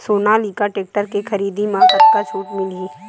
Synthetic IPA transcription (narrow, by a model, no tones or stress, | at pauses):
soːnaliːkaʈeːk̚ʈəɾkekʰɐɾiːd̪imakat̪kat͡ʃʰuːʈmɪleː